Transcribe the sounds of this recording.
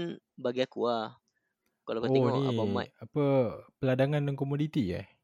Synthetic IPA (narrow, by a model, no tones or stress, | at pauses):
nbaɡiakua | kalakonia̰bama̰japəpəladaŋandaŋkomodit̪ija̰